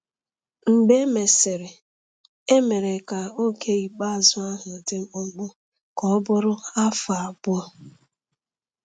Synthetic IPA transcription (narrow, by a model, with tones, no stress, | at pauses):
ŋ͡m̩˨ɡ͡be˦me˨sɪ˨ɾe˨ | e˦me˨ɾe˨ka˨o˦ke˦i˨k͡pa˦˨zʊ˦a˦ɦʊ˨de˦m̩˦ʊ˦ŋ͡m̩˦ɡ͡bʊ˦ | kɔ˦bʊ˦ɾʊ˦a˦fa˨a˨bʊ˦ɔ˦